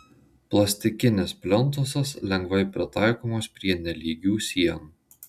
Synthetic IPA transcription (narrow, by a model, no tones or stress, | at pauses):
plˠɐsʲt̪ʲɪkʲɪnʲɪspʲlʲɔnˑt̪oːsɐslʲɛŋɡʋɐɪpʲɾʲɪt̪ɑˑɪkoːmoːspʲɾʲiɛnʲɛlʲiːɡʲuːsʲiɛnu